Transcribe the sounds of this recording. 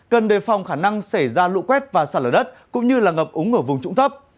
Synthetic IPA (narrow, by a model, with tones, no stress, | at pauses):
kə˨˩nɗe˨˩fɔ˨˩wŋ͡mxaː˧˩na˧ŋsa˧˩jzaː˧lṵ˧˥kwɛ˦˥t̚vaː˨˩saː˧˩˨ləː˨˩ɗə˦˥t̚kʊ̰˧˥ŋ͡mɲɨ˧laː˨˩ŋə˨˩p̚ʔʊ˨˦ŋʔəː˧˩vʊ˨˩ŋ͡mt͡ɕʊ̰˧˥ŋ͡mt̪ʰə˦˥p̚